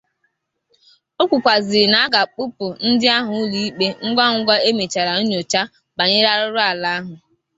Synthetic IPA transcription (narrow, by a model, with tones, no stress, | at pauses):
o˦kʷu˨kʷa˨zɪ˨na˨˦a˦ɡa˨k͡pʊ˦pʊ˨n̩˦dɪ˦a˦ɦʊ˨˦li˦i˦k͡pe˦ŋ̩˦ɡʷa˦ŋ̩˦ɡʷa˦e˦me˨t͡ʃa˨ɾa˨ʊ˦ɲo˨t͡ʃa˦ | ba˨ɲɪ˦ɾa˦ɾʊ˦ɾʊ˦a˨la˦a˦ɦʊ˨